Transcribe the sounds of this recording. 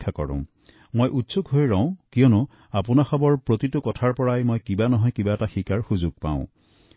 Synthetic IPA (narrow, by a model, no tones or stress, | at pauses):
kʰːakɔ̰ɹṵ̃ | mojʔutsukɦojɹaʊ̃kijɔnʊ | apunaxɔbɔɹpɹotitʊkɔtʰaɹpɔɹajmojkibanɔɦɔjkibaɛtaxikaɹxuzuɡ̚pã̰ʊ̃